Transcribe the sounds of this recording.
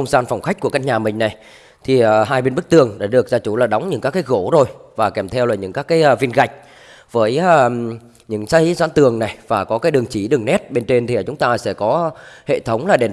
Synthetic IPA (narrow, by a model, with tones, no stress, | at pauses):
ə˧ŋ͡mzaː˧nfwŋ͡mxa˦˥k̟̚ku˧˩əka˧˥k̚ɲaː˨˩mï˨˩ŋ̟na˨˩j | t̪ʰi˨˩˨ɦaː˧jɓe˧nɓɨ˦˥k̚t̪ɨ˨˩əŋɗa̰ː˧˥˩ɗɨ˨˩ək̚zaː˧t͡ɕu˧˩laː˨˩ɗa˨˦wŋ͡mɲɨ̰˧˥ŋkaː˦˥kːaː˨˦jɣo˧˩zo˨˩jvaː˨˩kɛ˧˩mt̪ʰɛ˧wlaː˨˩ɲɨ̰˧˥ŋkaː˦˥kːaː˨˦jʔːvi˧ənɣa˨˩jk̟̚ | vəː˨˦j | ɲɨ̰˧˥ŋsa˧˦jzaː˨˦nt̪ɨ˨˩əŋna˨˩jvaː˨˩kɔ˨˦kaː˨˦jɗɨ˨˩əŋt͡ɕi˧˩ɗɨ˨˩əŋnɛ˦˥t̚ɓe˧nt͡ɕe˧nt̪ʰi˨ə˨˩t͡ɕʊ˨˦ŋ͡mt̪aː˧sɛ̰˧˥kɔ˨˦hḛ˧˨t̪ʰə˨˦wŋ͡mlaː˨˩ɗe˨˩